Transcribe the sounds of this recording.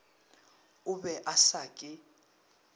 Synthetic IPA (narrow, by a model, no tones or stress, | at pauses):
ʊbɛʔasaːkʼɪ